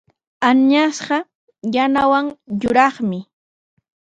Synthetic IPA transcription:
anɲasɢɑ | janawaŋjʊɾɑχmɪ

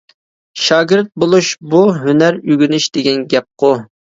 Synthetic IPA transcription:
ʃɑːɡʲɪɾt̪̚bolˠuʃbuɦynæɾyɡʲynyʃd̪̥ɪɡʲɛnɡʲɛp̚qʰʊ

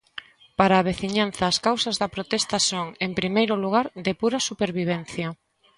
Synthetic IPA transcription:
paɾaːβeθiɲanθɐːskawsɐzðɐpɾot̪ɛst̪ɐsoŋempɾimejɾʊluɣ̞aɾðɪpuɾɐsupeɾβiβ̞ɛnθjɐ

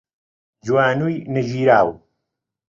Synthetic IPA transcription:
d͡ʒwaːnuːjnɨʒiːɾaːw

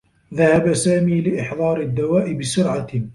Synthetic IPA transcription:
ðahabasaːmiːlɪʔɪħðˤɑːɾɪd̪ːawaːʔɪbɪsʊɾʕa

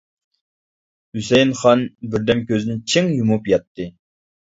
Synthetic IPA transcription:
hysɛjnχɑnbɪɾd̪ɛmkʲøzɪnɪt͡ʃʰiŋjumupjɑt̪ʰːɨ

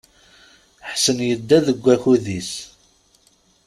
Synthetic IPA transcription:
ħsənjəd̪ːæðəɡʷːæçuðis

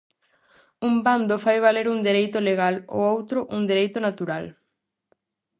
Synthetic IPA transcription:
umband̪ofajβaleɾuŋd̪eɾejt̪oleɣalo̰owt̪ɾʊʔuŋd̪eɾejt̪ʊnat̪uɾal

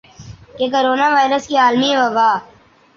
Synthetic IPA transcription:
kekoɾoːnaːʋaːɪɾəskiaːlmiẽʋɐbaː

